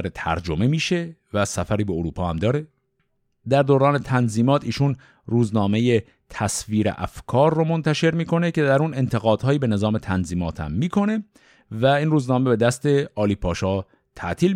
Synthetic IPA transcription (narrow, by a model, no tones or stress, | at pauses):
ɾet̪ʰæ̰ɾd͡ʒo̞me̞miːʃe̞væsæfæɾiːbeoɾuːpʰɒːhæmd̪ɒːɾe̞ | d̪æɾd̪oɾɒːne̞t̪ʰænziːmɒːt̪ʰiːʃuːn | ruːznɒːme̞je̞ | t̪ʰæsviːɾḛʔæ̰fkʰɒːɾːomont̪ʰæʃe̞ɾmiːkʰo̞ne̞cʰe̞d̪æɾuːne̞nt̪ʰe̞ɣɒːd̪̥hɒːjiːbe̞ne̞zɒːme̞t̪ʰænziːmɒːt̪ʰhæ̰mːiːkʰo̞ne̞ | væiːnruːznɒːme̞be̞d̪æst̪e̞ɒːliːpʰɒːʃɒː | t̪ʰæʔt̪ʰiːl